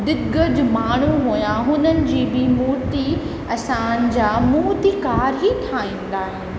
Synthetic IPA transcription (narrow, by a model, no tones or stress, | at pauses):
d̪ɪɡəd͡ʑmaːɳ̤uɦuːjãɦʊnənɪ̆d͡ʑiːbɪmuːɾt̪i | ɐsãnɪ̆d͡ʑaːmuːt̪ikaːɾɦit̪ʰaːĩːn̆d̪aːɦɪnɪ̆